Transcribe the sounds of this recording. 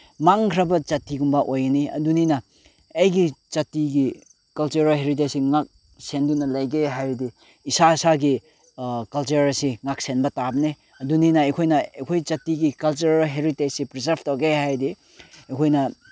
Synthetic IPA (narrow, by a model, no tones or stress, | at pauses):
maŋkʰɾɐbɐt͡ʃɐtiɡumbaʔojɡɐniɐ̰duninɐː | jɡit͡ʃɐtiɡi | kɐlt͡ʃuɾalɦeɾit̬esiŋak̚ | sendunɐlɐjɡejɦajdi | isaisaɡi | kɐlt͡ʃɐɾɐsiŋak̚senbɐtabɐne | ɐduninɐɐjkʰojnɐjkʰojt͡ʃɐtiɡikɐlt͡ʃuɾɾɦeɾitesipɾizɐɾbtowɡejɦajdi | ɐjkʰojnɐ